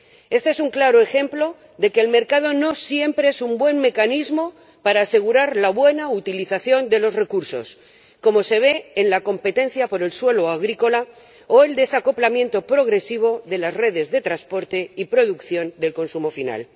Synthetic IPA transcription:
e̞st̪e̞e̞suŋklaɾoe̞xe̞mplo̞ | ðe̞keːlme̞ɾkað̞o̞no̞sje̞mpɾeesumbwe̞nme̞kanizmo̞ | paɾaːse̞ɣ̞uɾaɾlaβwe̞naut̪iliθaθjo̞nd̪e̞lo̞zre̞kuɾso̞̰s | ko̞mo̞se̞β̞e̞ːnlako̞mpe̞t̪ẽ̞n̟θjapo̞ɾe̞lswe̞loaɣ̞ɾiko̞la | oe̞ld̪e̞sako̞plamje̞nt̪o̞pɾo̞ɣɾe̞siβ̞o̞ðe̞lazre̞ð̞e̞zðe̞t̪ɾaspo̞ɾt̪e̞ipɾo̞ðukθjo̞nd̪e̞lko̞nsumo̞fina̰l

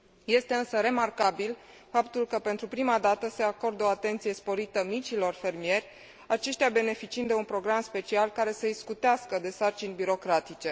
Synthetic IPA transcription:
je̞st̪e̞ɨnsəɾe̞markabil | fapt̪ulkəpe̞nt̪ɾupɾimad̪at̪əse̞ako̞rd̪o̞at̪e̞nt̪sije̞spo̞ɾit̪əmit͡ʃilo̞rfe̞rmie̞rʲ | at͡ʃe̞ʃt̪jabe̞ne̞fit͡ʃiɨnd̪d̪eunpɾo̞ɡɾamspe̞t͡ʃialkaɾe̞səiskut̪easkəd̪e̞sart͡ʃinʲbiɾo̞kɾat̪it͡ʃe̞

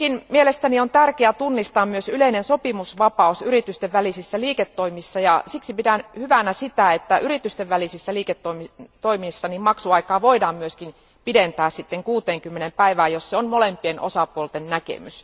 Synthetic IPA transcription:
kinmielest̪æniont̪ærkeæt̪unːist̪ɑːmmyøsyleinensopimusʋɑpɑusyrit̪yst̪eʋʋælisisːæliːket̪ːoimisːɑjɑsiksipidænhyʋænæsit̪æet̪ːæʔyɾit̪yst̪eʋʋælisisːæliːket̪ːoimint̪oimisːɑnimmɑksuɑikɑːʋoidɑːmmyøskin | pident̪æːssit̪ːeŋkuːt̪eːŋkymːenempæiʋæːjosseonmolempienʔo̰sɑpuolt̪ennækḛmys

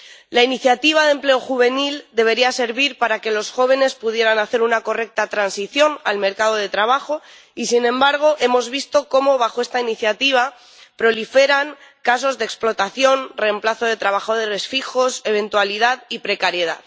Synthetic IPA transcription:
lainiθjat̪iβ̞aðe̞mple̞o̞xuβ̞e̞nild̪e̞β̞e̞ɾiase̞ɾβiɾpaɾake̞lo̞sxo̞β̞e̞ne̞spuð̞je̞ɾanaθe̞ɾunako̞re̞k̚t̪at̪ɾansiθjo̞na̰lme̞ɾkaðo̞ð̞e̞t̪ɾaβ̞axo̞ | isinẽ̞mbaɾɣ̞o̞ʔe̞mo̞zβist̪o̞ko̞mo̞β̞axoe̞st̪ainiθjat̪iβ̞a | pɾo̞life̞ɾaŋkas̬o̞zðeksplo̞t̪aθjo̞nre̞mplaθo̞ð̞e̞t̪ɾaβaxo̞ðeresfixo̞se̞β̞e̞nt̪waliðaðipɾekaɾje̞ða̰ð

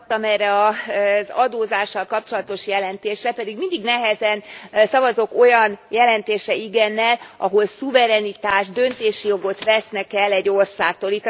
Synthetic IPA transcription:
t̪ːɒmɛrːɛɒzɒd̪oːzaːʃːɒlkɒp̚t͡ʃo̞lɒt̪o̞ʃjɛlɛnt̪eːʃrɛpɛd̪iɡmind̪iɡnɛɦɛzɛnsɒvɒzo̞ko̞jɒnjɛlɛnt̪eːʃɛiɡɛnːɛlʔɒɦo̞lsuvɛɾɛnit̪aːʒd̪ø̞nt̪eːʃijo̞ɡo̞t̪ʋɛsnɛkɛlːɛɟːo̞rsaːk̚t̪olit̪ː

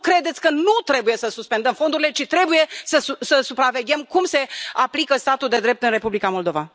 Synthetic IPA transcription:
kɾe̞d̪e̞t̪sʲkənut̪ɾe̞buje̞səsuspe̞nd̪əmfo̞nd̪uɾile̞t͡ʃit̪ɾe̞buje̞səusəsupɾave̞ɡʲe̞mkumse̞aplikəst̪at̪uld̪e̞d̪ɾe̞p̚t̪ɨnre̞publikamo̞ld̪o̞va

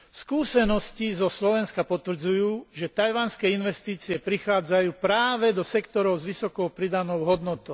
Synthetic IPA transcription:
skuːsɛnɔscizɔslɔʋɛnskapɔt̪ʋr̩d͡zujuːʒɛt̪ajʋanskɛːinʋɛst̪iːt͡siɛpɾixaːd͡zajuːpɾaːʋɛd̪ɔsɛkt̪ɔɾɔʊzʋisɔkɔʊpɾid̪anɔʊɦɔd̪nɔt̪ɔʊ

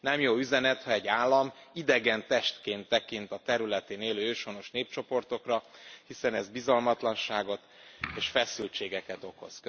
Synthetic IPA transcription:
nɛmjoːyzɛnɛt̪hɒɛɟːaːlːɒmid̪ɛɡɛnt̪ɛʃt̪keːnt̪ːɛkint̪ɒt̪ɛɾylɛt̪eːneːløːøːʃo̞no̞ʃneːp̚t͡ʃo̞po̞rt̪o̞krɒhisɛnɛzbizɒlmɒt̪lɒnʃaːɡo̞t̪eːʃfɛsylt͡ʃeːɡɛkɛt̪o̞ko̞̰z̥k

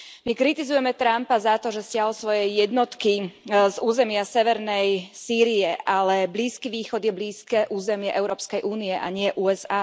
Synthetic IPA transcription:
mikɾit̪izujɛmɛt̪ɾampazat̪ɔʒɛscɪaɦlsʋɔjɛjɛd̪nɔt̪kizuːzɛmɪasɛʋɛɾnɛjsiːɾiɛʔalɛbliːskiʋiːxɔd̪jɛbliːskɛːʔuːzɛmɪɛʔɛʊɾɔːpskɛjʔuːniɛʔa̰ɲɪɛʔuːɛzaː

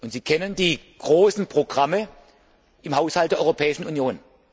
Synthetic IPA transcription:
ʊntz̥iːkʰɛnəndiːɡ̥ʁoːsn̩pʁ̥oɡʁamə | ʔɪmhaʊshaltd̥eɐɔopʰɛːɪʃn̩unjoːn

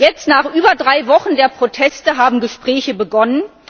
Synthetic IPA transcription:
jɛt͡stnaːχʔyːbɐdʁaɪvɔχn̩deːɐpʁ̥otʰɛstəɦaːbm̩ɡəʃpʁ̥ɛːçəbəɡɔnən

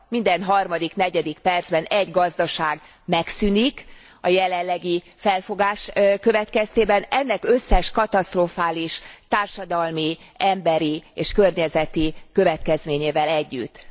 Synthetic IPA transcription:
mind̪ɛnɦɒrmɒd̪ikn̪ɛɟɛd̪ikpɛrd̪z̥bɛnɛɟɡɒzd̪ɒʃaːɡ | mɛksynik | ɒjɛlɛlːɛɡi | fɛlfo̞ɡaːʃkø̞vɛt̪kɛst̪eːbɛnɛnːɛkø̞sːɛʃkɒt̪ɒst̪rofaːliʃt̪aːrʃɒd̪ɒlmi | ɛmbɛɾieːʃkø̞rɲɛzɛt̪ikø̞vɛt̪kɛzmeːɲeːvɛlɛɟːyt̪ː

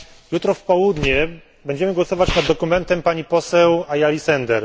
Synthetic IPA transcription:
jut̪ɾɔfpɔwud̪ɲɛ | bɛɲd͡ʑɛmɘɡwɔsɔvat͡ɕnad̪dːɔkumɛnt̪ɛmpaɲipɔsɛwajalʲisɛnd̪ɛɾ

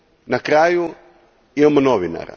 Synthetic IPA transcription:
nakɾaːju | imamonoʋina̰ɾa̰

